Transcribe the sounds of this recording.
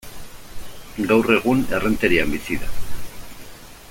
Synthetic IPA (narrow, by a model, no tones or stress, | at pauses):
ɡawre̞ɣune̞rent̪eɾiambisiða̰